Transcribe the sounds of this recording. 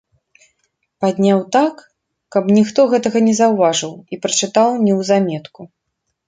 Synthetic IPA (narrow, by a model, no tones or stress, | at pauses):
pad̪ʲnʲawt̪akː | ɐpnʲixt̪ɔɣɛt̪ɐɣɐnʲɛzɐwvaʐɨwipɾɐt͡ʂɨt̪awnʲɛwzamʲɛt̪ku